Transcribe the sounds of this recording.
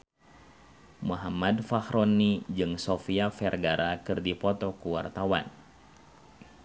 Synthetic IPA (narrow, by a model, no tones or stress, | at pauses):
muɦamadfahɾʔɔnːid͡ʒɨŋsɔfiafɛrɡaɾʔakɨrdipɔt̪ɔkuwa̰rt̪awa̰n